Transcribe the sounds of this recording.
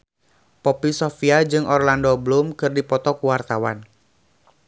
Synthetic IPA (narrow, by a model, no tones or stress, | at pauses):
pɔpisɔfiad͡ʒɨŋʔɔrlandɔblumkɨrdipɔt̪ɔkuwart̪awan